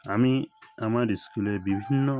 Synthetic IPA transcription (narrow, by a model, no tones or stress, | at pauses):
amiamaɾiskulɛbibʱinːɔ